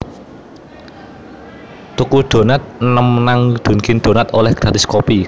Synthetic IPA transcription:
t̪ukuɖ̪̥o̤nat̪̚nəmnaŋd̪̥o̤nkɪnd̪̥o̤nat̪olɛhɡ̥ɾatiskopi

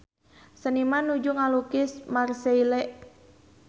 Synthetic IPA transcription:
sənimanud͡ʒuŋalukɪsmarseilɛʔ

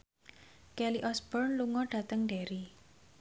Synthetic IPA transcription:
kɛliʔɔsb̥ɔrnluŋɔɖ̥a̤t̪əŋɖeɾi

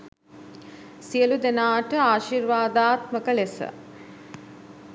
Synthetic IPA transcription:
sijəlud̪enaːʈəaːʃirʋaːd̪aːt̪məkəlesə̰

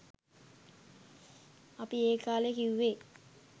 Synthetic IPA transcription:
apieːkaːlekiwːe

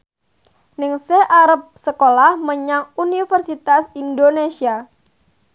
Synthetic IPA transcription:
nɪŋsɛʔaɾəp̚səkolahməɲaŋunifərsit̪asindonesia

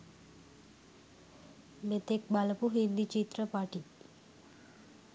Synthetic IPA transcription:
net̪ek̚balpuɦind̪it͡ʃit̪ɾəpaʈi

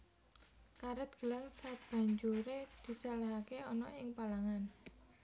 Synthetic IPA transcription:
kaɾət̪̚ɡ̥ə̤laŋsab̥a̤ɲd͡ʒuɾed̪̥i̤salaɦakeɔnɔʔɪŋpalaŋan

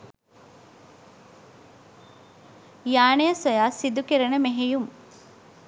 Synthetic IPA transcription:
jaːɳejɐsojaːsid̪ukiɾɐnəmeɦejum

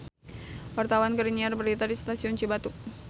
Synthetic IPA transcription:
wart̪awankəɾiniarbəɾit̪adist̪asiɔnt͡ʃibat̪uk̚

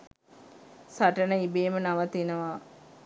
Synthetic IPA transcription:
saʈənəibeːmənaʋət̪inəʋa

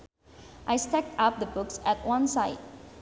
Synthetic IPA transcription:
ʔaɪstɛk̚tap̚d̪əbʊksæt̚wʌ̃nsaɪd̚

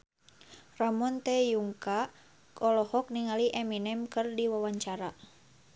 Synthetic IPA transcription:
ramɔnt̪ɛjuŋka | kʰɔlɔhɔk̚niŋaliʔɛminɛmkɨrdiwawaɲt͡ʃaɾa

